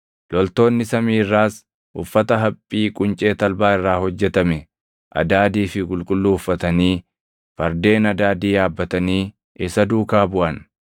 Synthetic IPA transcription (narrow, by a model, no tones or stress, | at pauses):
lɔlt̪o̞ːnːɪsɐmiːrːaːs | ʔʊfːɐt̪ɐɦɐpʼːiːkʼʊnt͡ʃʼeːt̪ɐlbaːɪrːaːhɔd͡ʒːɛt̪ɐmɛ | ʔɐ̰d̪aːd̪iːfɪkʼʊlkʼʊlːuːʊfːɐt̪ɐniː | fɐɾd̪e̞ːnɐd̪aːd̪iːaːbːɐt̪ɐniː | ʔɪsɐd̪uːkaːbʊʔɐn